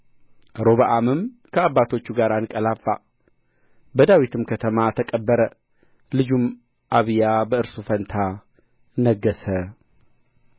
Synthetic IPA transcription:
ɾo̞βaʔamɨm | kʰəaβːat̪ʰo̞t͡ʃːuɡaɾanɨkʼəlafːa | bəd̪awit̪ʰɨmkʰət̪ʰəmat̪ʰəkʼəbːəɾə | lɨd͡ʒum | ʔaβɨjabəɨɾsufənt̪ʰa | nəɡːəsə

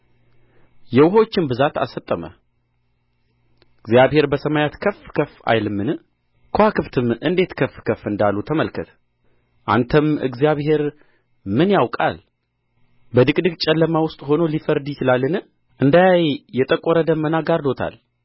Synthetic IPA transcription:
jɛwʊɦəwo̞t͡ʃːɪnbɨzat̪a̰sət̪ʼːəmə̰ | ɨɡzijaβhe̞ɾbəsəmajat̪kʰəfːkʰəfa̰jlɨmːɨnɨ | kʰohakʰɨβt̪ʰɨmɨnd̪e̞t̪kʰəfːkʰəfːɨnd̪alːut̪ʰəməlkʰət̪ʰ | ʔa̰nt̪ʰəmɨ̰ɡzijaβhe̞ɾ | mɨnjawkʼa̰l | bəd̪ɨkʼd̪ɨɡt͡ʃʼɛlːəmawʊst̪ʼho̞nolifəɾd̪jɪt͡ʃɪlalːɨnɨ | ʔɨnd̪ajajjɛt̪ʼəkʼːoɾəd̪əmənaɡaɾd̪o̞t̪ʰa̰l

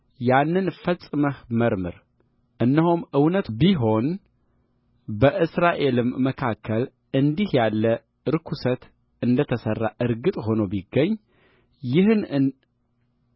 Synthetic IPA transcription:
janːɨnfəsʼɨməhməɾmɨɾ | ʔɨnːəhumʔɨwnət̪biɦo̞n | bəʔɨsɾaʔe̞lɨmːəkʰakʰːəl | ɨnd̪ihjalːə | ɨɾɨkʰusət̪ | ɨnd̪ət̪ʰəsərːaʔɨɾɡɨt̪ʼɦo̞nobiɡːəɲː | jɪhɨnɨ

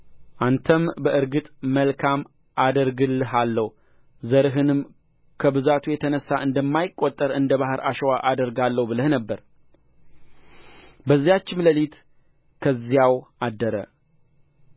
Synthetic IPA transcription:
ʔant̪ʰəmbəʔɨɾɡɨt̪ʼməlkʰam | ʔad̪əɾɡɨlːɨɦalːəw | zəɾɨɦɨnɨm | kʰəbɨzat̪ʰujɛt̪ʰənəsːaʔɨnd̪əmːajɪkʼːot̪ʼːəɾɨnd̪əβahɨɾaʃɛwaʔad̪əɾɡalːəhubɨləhnəbːəɾ | bəzːijat͡ʃːɪmləlit̪ | kʰəzːijawʔad̪ːəɾə̰

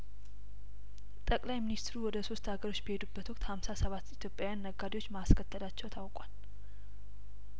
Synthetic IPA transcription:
t̪ʼəkʼlajminist̪ɾuwɔd̪əso̞st̪haɡəɾo̞t͡ʃːbəhe̞d̪ubːət̪wɔk̚ʼt̪hamsasəβat̪ːit̪ʰjo̞pʼjawjanːəɡːad̪ewo̞t͡ʃːmaskʰət̪ʰːəlat͡ʃːɛwt̪ʰawkʼal

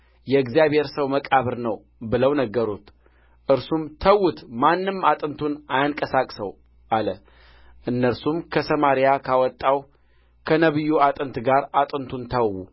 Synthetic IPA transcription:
jɛɨɡzijaβhe̞ɾsəwməkʼaβɨɾnəw | bɨləwnəɡːəɾut̪ | ʔɨɾsumt̪ʰəwut̪manːɨmat̪ʼɨnt̪ʰunajankʼəsakʼsəw | ʔalə | ʔɨnːəɾsumkʰəsəmaɾijakʰawɔt̪ʼːaw | kʰənəβɨjːuat̪ʼɨnt̪ɡaɾat̪ʼɨnt̪ʰunt̪ʰəwwu

